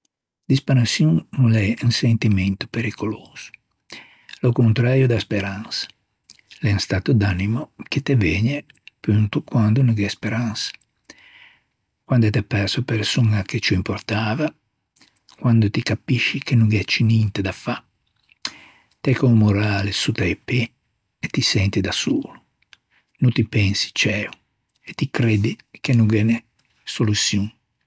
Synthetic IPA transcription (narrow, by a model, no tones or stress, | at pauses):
d̪ispeɾansjuŋnulɛunsent̪imɛnt̪u̥peɾikoloːz̥u̥ | lokont̪ɾaːɾjod̪aspeɾansḁ | lɛnst̪aːt̪ud̪animoket̪ːevɛːɲe | pynt̪ukwand̪unuɡɛspeɾansḁ | kwand̪ot̪ɛpɛɾsoapeɾsuŋaket͡ʃuimpoɾt̪aːva | kwand̪ot̪ikapiʃːikenuɡɛt͡ʃːinint̪ed̪afa | t̪ɛkɔmoɾaːlesut̪ɛjpːe | et̪ːisɛnt̪id̪asuːlu | nut̪ipɛnsi̥t͡ʃɛːu | et̪ːikɾed̪ikenuɡɛne | solusjuŋ